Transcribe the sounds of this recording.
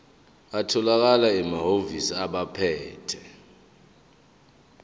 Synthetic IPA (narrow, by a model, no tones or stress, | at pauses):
atʰɔlak̬alaɛmaɦovisiaɓapʰɛːtʰɛ